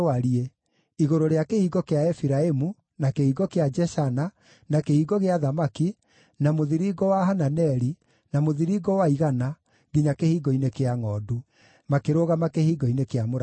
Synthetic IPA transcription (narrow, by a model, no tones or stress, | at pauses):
aɾie | iɣoɾoɾeakehiːɡɔkeaɛfiɾaemu | nakehiːɡɔkead͡ʒɛʃana | nakehiːɡɔɣeaðamaki | namoðiɾiːɡɔwaɦananɛɾi | namoðiɾiɡɔwaiɣana | ɡiɲakehiːɡɔinekeaŋɔdu | makeɾoɣamakehiːɡɔinekeamoɾ